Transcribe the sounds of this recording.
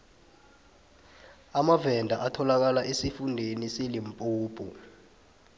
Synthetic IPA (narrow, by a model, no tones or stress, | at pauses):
amavɛndʱaʔatʰɔlak̬alaʔesifundʱeniselimpʼuːpʰʼṵ